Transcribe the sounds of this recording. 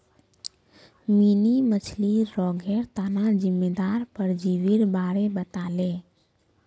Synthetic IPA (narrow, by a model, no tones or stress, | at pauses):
minimət͡ʃʰliɾɔːɡʱeɾt̪anad͡ʒɪmːeːd̪aːɾpəɾd͡ʒiʋiɾbaːɾebət̪aːleː